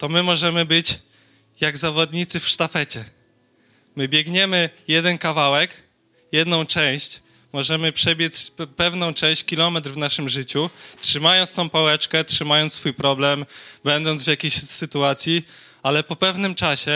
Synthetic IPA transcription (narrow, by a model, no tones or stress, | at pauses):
t̪ɔmɘmɔʐɛmɘbɘt͡ɕ | jaɡzavɔd̪ɲit̪sɘfʂt̪afɛt͡ɕɛ | mɘbʲjɛɡɲɛmɘjɛd̪ɛnkavawɛk | jɛd̪nɔ̃w̃t͡ʂɛ̃w̃ɕt͡ɕ | mɔʐɛmɘpʂɛbʲjɛt͡ɕpɛvnɔ̃w̃t͡ʂɛ̃w̃ɕt͡ɕkʲilɔmɛt̪ɾvnaʂɘmʐɘt͡ɕutʂɘmajɔ̃nt̪st̪ɔ̃w̃pawɛt͡ʂkɛtʂɘmajɔnt̪sfujpɾɔblɛmbɛnd̪ɔnzvʲjakʲeɕsɘt̪uat̪sʲji | alɛpɔpɛvnɘmt͡ʂaɕɛ